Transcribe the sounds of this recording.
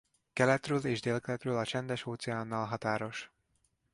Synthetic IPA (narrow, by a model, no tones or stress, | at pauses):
kɛlɛt̪røːleːʒd̪eːlkɛlɛt̪røːlɒt͡ʃɛnd̪ɛʃoːt̪sɛaːnːɒːlɦɒt̪aːɾo̞ʃ